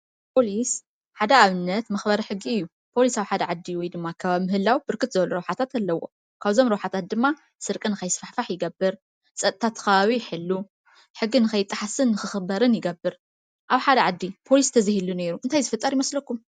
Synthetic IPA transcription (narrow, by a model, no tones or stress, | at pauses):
pʰo̞lis | ħad̪ɐaβɨnːɐt̪mɐxbɐɾɐħɨɡːiɨjːu | pʰo̞lisawħad̪ɐʕad̪ːiwɔjd̪ɨmːakʰɐβamɨhɨlːawb̥ɨɾkʰɨt̪zɨβɐluɾɐwħat̪ʰat̪alːɐwːo̞̰ | kʰaβzo̞mɾɐwħat̪ʰat̪̚d̪ɨmːa | sɨɾkʼɨnɨkʰɐjsfaħfaħjɪɡɐbɨɾ | sʼɐt̪ʼt̪ʰat̪ʰːkɐβaβiħɨlːu | ħɨɡːinɨxʰɐjɪt̪ʼːaħasɨnːɨxɨxɨbɐɾɨnjɪɡɐbːɨɾ | ʔaβħad̪ɐʕad̪ːipʰo̞list̪ʰɐzihilune̞ɾuʔɨnt̪ʰajzɨfɨt̪ʼːɐɾjɪmɐslɐkːum